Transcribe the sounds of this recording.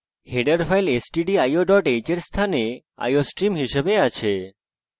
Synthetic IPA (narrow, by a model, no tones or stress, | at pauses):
heɖəɾfʰajlesʈiɖiajoɖɔʈed͡ʑeɾst̪ʰane | a̰josʈɾimɦiʃebeat͡ɕʰe